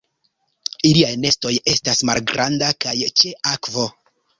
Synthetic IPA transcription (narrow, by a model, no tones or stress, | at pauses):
iliajne̞sto̞je̞stasmalɡɾʔandakajt͡ʃe̞ʔakvo